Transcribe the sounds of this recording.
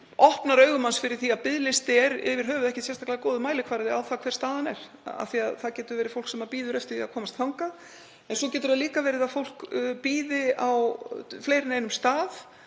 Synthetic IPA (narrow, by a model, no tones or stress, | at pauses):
ʔɔhpnaɾœːɥɣʏmansfɪɾɪɾ̥θiaðpɪðlɪst̪ɪɛɾɪ̰vɪɾ̥ɦœːvʏðɛhcɪsjɛnst̪aklaðakoːwðʏmaːjlɪkʰvaːɾɪðɪawθakʰvɛɾ̥st̪aːðanɛɾ̥ | a̰θiaðθaðcɛːt̪ʏɾvɛːɾɪfowl̥ksɛmaɾpiːðʏɾɛft̪ɪɾiakʰɔːmast̪θawŋkað | ɛnsɔcɛːt̪ʏɾaðliːkavɛːɾɪðaðfowl̥kpiːðɪawfleːjɾɪneːjnʏmst̪aːð